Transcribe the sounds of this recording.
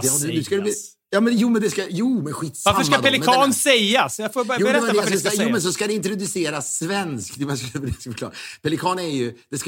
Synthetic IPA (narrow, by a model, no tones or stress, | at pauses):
d̪nʉskad̪ɛ | jɑːmɛnjuːmɛnd̪ɛskajuːmɛnɧiːt̪ːsvaɾafəmʂːkad̪ɛlɪɛɑːnsɛjːasjafoːbɾjuːɛɾɛːaɛasajuːmɛns̬ɔskad̪ɛɪnt̪ɾʊd̪ɵseːɾasvɛnskd̪ɪmɛsk̪bd̪ɛskfək̪ʰɑ̰ːɾpɛlɪkʰɑːnɛɾjɵd̪̥ɛsk